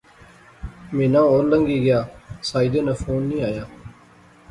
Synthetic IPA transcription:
mẽːnãːoːɾləŋɡiːɡɪjaːsaːid̪eːnaːfʰoːnːĩːaːjaː

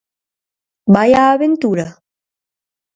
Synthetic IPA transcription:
bajaːβent̪uɾa

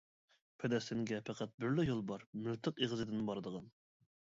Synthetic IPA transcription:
pʰɛd̪ɛst̪ɪŋɡʲɛpʰæqʰæt̪̚bɪɾlɪjolˠbɑɾmylt̪ʰɨqeʁɨzɨd̪ɪnbɑɾɨd̪əʁɑn

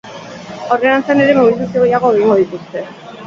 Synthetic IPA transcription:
oɾðeant͡saneɾe̞moβilt̪asjoɣejaɣo̞iŋɡo̞ðit̪ust̪e̞

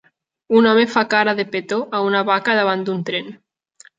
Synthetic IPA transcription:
unɔmefakaɾaðepet̪oʔaunaβakaðaβ̞anunt̪ɾen

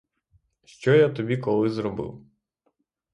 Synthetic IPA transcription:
ʃt͡ʃɔjat̪ɔbʲikɔlˠɪzɾɔbɪ̰w

